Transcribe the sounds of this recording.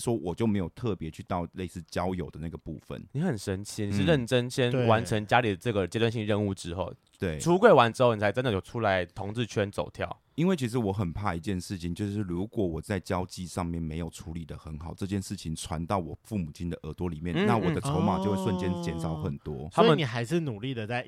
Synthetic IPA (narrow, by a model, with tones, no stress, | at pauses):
ʂwɔ˥wɔ˨˩t͡ɕjʊme˧˥ɪjo˨˩ʊt̪ʰɤ˥˩pjɛ˧˦t͡ɕʰy˥˧t̪ɑ˥˧ʊle˥˧ɪsɹ̩˥˩t͡ɕjɑ˥ʊjo˨˩ʊd̪ə˦na˥˩ɡə˩pu˥˨˩fə̰˨˩nni˧˥˦xə˨˩nʂə˥nt͡ɕʰi˥ni˨˩ʂɻ̩˥˧ɻə˥˩nʈ͡ʂə˥nɕjɛ˥nwa˧˦nʈ͡ʂʰə˧˥ŋt͡ɕja˦˥li˨˩d̪ə˩ʈ͡ʂɤ˥˩ɡə˩t͡ɕjɛ˥t̪wa˥˧nɕi˥˧ŋ˧ɻə˥˧nu˥˩ʈ͡ʂɻ̩˦xo˥˨ʊ | t̪we˥˩ɪʈ͡ʂʰu˥kwe˥ɪwa˧˥nʈ͡ʂɻ̩˥xo˥˩ʊnʰ˨˩a˧ɪ˥ndə˨˩jo˨˩ʈ͡ʂʰu˥la˧˦ɪt̪ʰo˧˥ŋt͡sɹ̩˥˧t͡ɕʰɥɛ˥nt͡so̰˨˩ʊt̪ʰjɑ̰˥˩ʊ | i˥nwe˥˩ɪt͡ɕʰi˧˥ʂ̬ɻ̩˧˥wɔ˧˩xə˨˩npʰa˥˧i˧˥t͡ɕjɛ˥˧nʂɻ̩˥˩t͡ɕʰi˨˩ŋt͡ɕjo˥˧ʊʂɻ̩˥˩ɻu˧˥kwɔ˨˩wɔ˨˩t͡sa˥˩ɪt͡ɕjɑ˥ʊt͡ɕi˥˧ʂɑ˥˧ŋmjɛ˥˨˩nme˧˥ɪjo˨˩ʊʈ͡ʂʰu˧˥li˨˩d̪ə˦xə˧˦nxɑ˨˩ʊʈ͡ʂɤ˥˧t͡ɕjɛ˥˧nʂɻ̩˥˩t͡ɕʰi˨˩ŋt͡sʰwa˧˦nt̪ɑ˥˩ʊwɔ˨˩fu˥˩mu˨˩t͡ɕʰi˥nd̪ə˨ʔə˧˩t̪wɔ˦˥li˨˩mjɛ˥˨nnna˥˨wɔ˨˥d̪ə˦t͡sʰo˧˥ʊma̰˨˩t͡ɕjo˥˧we˥˧swə˥˧nt͡ɕjɛ˥nt͡ɕjɛ˧˥nʂɑ˨˦ʊxə˨˩nt̪wɔ˦˥st̪ʰa˥˦˥imə˨ni˨˩xa˧˥ɪʂɻ̩˥˩nu˨˩li˥˩d̪ə˩t͡sa˥˩ɪ